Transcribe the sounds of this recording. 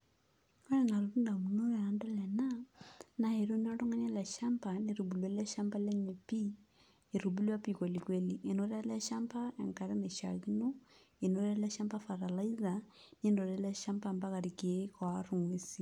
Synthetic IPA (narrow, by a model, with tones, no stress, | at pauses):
a˦ɾɛ˨na˨luɾu˦nda˨mu˨no˦ɾɛ˨a˨ndɔ˦lɛ˨nana˨he˨ɾo˦n˦a˦ɾo˦ŋa˦ɲa˦lɛ˨ʃampaneɾu˨bu˨lwa˨lɛ˦ʃa˦mba˦lɛ˦ɲe˨pi˦ | e˨ɾubu˦lwa˦pi˨kwe˨likweliʔe˨no˦ɾa˦lɛ˦ʃampa˦ɛ̰˨ŋka˨ɾe˦ne˨ʃa̰˨ɣi˦no˦ | e˨no˦ɾa˦lɛ˦ʃa˦mpa˦fa˨ɾa˨laiza | n˦e˦ndo˨lɛlɛ˦ʃa˦mpa˦mba˦ka˨ɾi˨kie˦kwaru˨ŋwe˦si